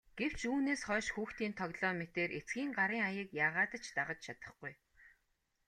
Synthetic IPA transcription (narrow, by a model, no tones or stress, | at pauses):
ɡ̥ew̥t͡ɕuːneːsχɔːʃxuːxt̪iːnt̪ʰɔɣɮɔːmet̪eːɾʔet͡sɡʲiːŋɢaɾiːŋajə̆kjaːʁaːt̪ə̆t͡ɕt̪aʁə̆t͡ɕt͡ɕʰat̪ə̥̆χɡuj